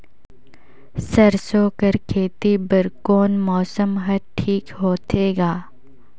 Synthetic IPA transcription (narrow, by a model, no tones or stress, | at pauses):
sɐɾsoːkɐɾkʰeːt̪ibɐɾkoːnmɔːsəmɦɐɾʈʰiːkɦoːt̪ʰeːɡaː